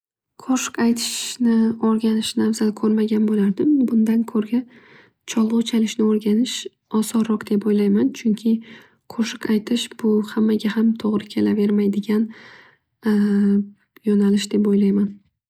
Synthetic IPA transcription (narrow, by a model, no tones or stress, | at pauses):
qʰoʃɪ̥kajt̪ʰɪ̥ʃnɪɒɾɡʲanɪʃnavzalkʰɵɾmaɡʲanbolaɾd̪ɪmbʊnd̪ankʰɵɾɡʲa | t͡ʃʰɒlˠʁʊt͡ʃʰalɪʃnɪoɾɡʲanɪʃ | ɒsɒɾːɒqd̪̥e̞pojlajmant͡ʃʰʊŋkʲʰɪ | qʰoʃɪkajt̪ʰɪʃb̥ʊhamːaɡʲahamt̪ʰoʁɾɪkʲʰe̞lave̞ɾmajd̪ɪɡʲan | jɒnalɪʃd̪̥epojlajman